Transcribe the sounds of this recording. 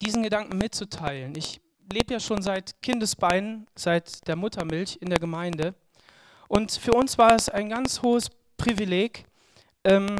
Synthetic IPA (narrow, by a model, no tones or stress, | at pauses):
d̥iːzn̩ɡədaŋkŋ̩mɪtt͡sutʰaɪlənɪç | leːbəjaːʃoːnzaɪtkʰɪndəsb̥aɪnənz̥aɪtd̥eːɐmʊtʰɐmɪlçɪndeːɐɡəmaɪndə | ʔʊntfyːɐʊnsv̥aːɐɛsaɪnɡant͡shoːəs | pʁ̥ivileːk | ʔɛːm